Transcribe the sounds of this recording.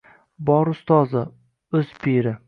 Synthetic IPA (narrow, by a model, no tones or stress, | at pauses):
bɒɾʊst̪ɒzɪ | ɵz̥pʰeɾɪ